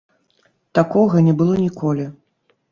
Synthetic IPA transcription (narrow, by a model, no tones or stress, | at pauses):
t̪akɔɣɐnʲɛbɨlˠɔnʲikʰɔlʲi